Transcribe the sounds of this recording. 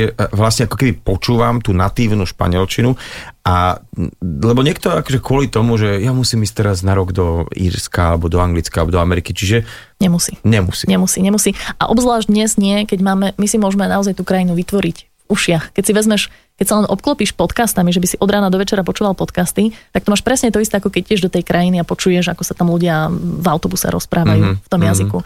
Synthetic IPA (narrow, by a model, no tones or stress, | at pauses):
ɛʋlasɲɛakɔkɛbipɔt͡ʃuːʋamt̪uːnat̪iːʊnuʃpa̰ɲɪɛlt͡ʃinua | lɛbɔɲɪɛk̚t̪ɔakɔʒɛkʊɔlit̪ɔmuʒɛjamusiːmisc̚t̪ɛɾaznaɾɔɡd̪ɔḭːɾskaalɛbɔd̪ɔaŋɡlit͡skalɛbɔd̪ɔamɛɾikit͡ʃiʒɛ | ɲɛmusiɲɛmṵsiɲɛmusiɲɛmusia̰ʔɔbzlaːʒɟd̪ɲɛzdɲɪɛkɛɟmaːmɛmisimʊɔʒmɛnaɔzajt̪uːkɾajinuʋit̪ʋɔɾicvuʃɪaxkɛcsiʋɛzmɛʃ | kɛcsalɛnʔɔp̚klɔpiːʃpɔt̪kaːst̪amiʒɛbisiʔɔd̪ɾaːnad̪ɔʋɛt͡ʃɛɾapɔt͡ʃuːʋalˠpɔt̪kast̪it̪akt̪ɔmaːʃpɾɛsɲɛt̪ɔist̪ɛakɔkɛc̚cːɛʒd̪ɔt̪ɛjkɾʔajiniapɔt͡ʃujɛʒakɔsat̪amluɟɪavaʊt̪ɔbusɛ̰ɾɔ̰spɾʔaːʋajuft̪ɔmjaziku